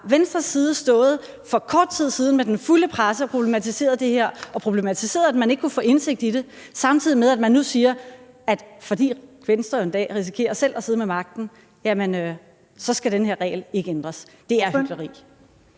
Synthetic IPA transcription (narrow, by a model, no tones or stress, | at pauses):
ʋensd̥ʁɐsːiːð̞ˠəsd̥ɔ̽ːð̞̩ˠ | fɒ̽kʰɒːd̥̚t͡sʰið̞̰ˠsiːð̞ˠn̩med̥enfuləpʰʁasəɒpʰʁo̝b̥le̝mæt͡sʰise̝̰ːɐð̞ˠd̥e̝he̝ɐ̰ɒ̽pʰʁo̝b̥le̝mæt͡sʰise̝̰ːɐðˠæd̥mæne̝ɡ̥ə̥kʰufɔ̰̽ːe̝nse̝ɡ̥̚d̥iɾe̝sɑ̈mt͡sʰiðˠimeðˠæd̥mænːusiːɐ | æd̥fɒ̽d̥ḭːkʰʋensd̥ʁɐend̥ɛ̰ːʁis̬i̥kʰe̝̰ːɐselʔɐseð̞̩ˠmemɑ̈ɡ̥̚d̥n̩ | jæmenø | sɒ̽sɡ̥æɾ̥enhe̝ɐʁɛ̰ːɪle̝ɡ̥əend̥ʁɐsd̥e̝æɐhyɡ̥lɐʁḭː